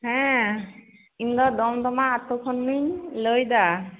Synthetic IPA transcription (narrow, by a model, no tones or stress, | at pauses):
ɦɛ̃ | ind̪ɔd̪ɔmd̪ɔmaːt̪okʰɔnːilojd̪a